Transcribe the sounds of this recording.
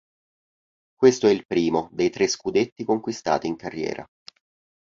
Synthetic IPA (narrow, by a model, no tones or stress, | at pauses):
kwest̪oɛilpɾiːmod̪ejt̪ɾeskud̪et̪ːikoŋkwist̪a̰ːt̪iːŋkarːjɛ̰ːɾa̰